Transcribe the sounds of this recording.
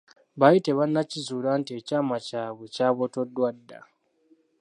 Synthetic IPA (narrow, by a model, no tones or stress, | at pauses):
βajite̞βanːacizuːɾantie̞caːmacaːβecaːβoto̞dːwadːa̰